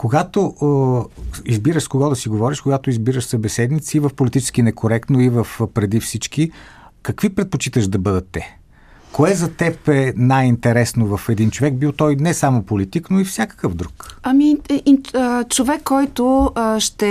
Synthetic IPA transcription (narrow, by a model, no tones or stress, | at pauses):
koɡat̪o | izbiɾəʃkoɡɔd̪ɐsiɡovɔɾiʃkoɡat̪oizbiɾəʃsəbɛsɛd̪nit̪siːvəfpolit̪it͡ʃɛ̥skinɛkʰoɾɛkt̪noivəfpɾɛd̪ifsit͡ʃki | kɐkvipɾɛt̪̚pot͡ʃit̪əʒd̪ɐbɤd̪ɐt̪ːɛ | koɛzɐt̪ɛpɛnajint̪ɛɾɛsnovɐfɛd̪int͡ʃovɛɡ̚biwˠt̪ɔjnɛsamopolit̪iknoifsʲakə̥kəvd̪ɾukɐmi | ət͡ʃovɛkʰːɔjt̪ʊʃt̪ɛ